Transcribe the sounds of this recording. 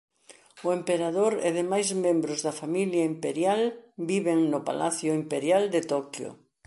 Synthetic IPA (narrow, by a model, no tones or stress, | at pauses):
ʊempeɾaðoɾḛðɪmajzmẽmbɾʊzðɐfamiljaimpeɾjalbiβeŋnʊpa̰laθjʊimpeɾjald̪ɪt̪ɔkjʊ̰